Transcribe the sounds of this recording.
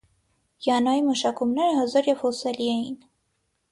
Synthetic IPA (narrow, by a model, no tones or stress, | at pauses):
jɑnɑjiməʃɑkumnɛɾəɦɑzɑɾjɛv̥hɔsɛliɛjin